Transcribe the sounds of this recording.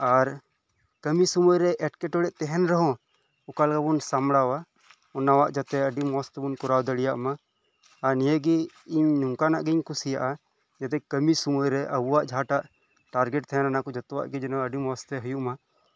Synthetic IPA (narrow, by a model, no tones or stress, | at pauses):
aɾ | kəmisumujɾɛʔɛʈkɛʈɔɽɛʔt̪ɛɦɛnɾɔɦɔ̃ | ukalkabunsamɽawa | ɔnawaʔd͡ʒat̪ɛəɖimɔst̪ɛbunkɔɾawd̪əɽijaʔmaː | ɾnijəɡi | iɲnuŋkanaʔɡiɲkusijaʔa | d͡ʒat̪ɛkəmisumɔjɾɛʔəbuwaʔd͡ʒʱaʈaʔ | ʈaɾɡɛʈ̚t̪ɛɦɛnanakɔd͡ʒat̪ɔwa̰ʔɡɛd͡ʒɛnɔəɖimɔst̪ɛɦujuʔma